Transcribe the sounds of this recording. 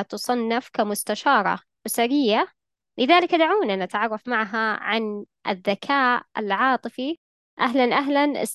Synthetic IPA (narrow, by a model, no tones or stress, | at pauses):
t̪ʊsˤɑnːɪfkamʊst̪aʃɑːɾˤɑ̰ | wsaɾɪjːa | lɪðaːlɪkd̪aʕuːnanat̪aʕɑrˤːɑfmaʕɦaʕan | ʔɪ̰ðːakʰaːʔɪ̰lʕɑːt̪ˤɨfi | ʔaɦlanʔaɦlanʔɪ̰s